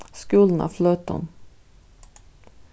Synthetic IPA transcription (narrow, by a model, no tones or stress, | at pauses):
skʉːln̩a̰fløːt̪ə̰n